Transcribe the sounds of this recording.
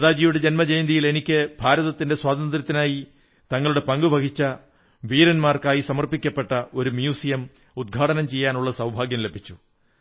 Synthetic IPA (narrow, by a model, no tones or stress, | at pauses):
ɐðaːd͡ʑijuɽe̞d͡ʑe̞nmɐd͡ʑejnd̪ijile̞nikʲːɨbʱaːɾɐðɐt̪ːinde̞swaːt̪ɐnd̪ɾʲɐt̪ːinaːji | t̪ɐŋːɐɭuɽe̞pɐŋɡubɐkʰit͡ɕːɐ | ʋiːɾɐnmaːrkaːjisɐmɐrpikʲːɐpːe̞ʈːɐʔo̞ɾumjuːsijɐm | ud̪̚ɡʱaːʈɐnɐmt͡ɕe̞jːaːnuɭːɐsɐwbʱaːɡjɐmle̞bʱit͡ɕːu̥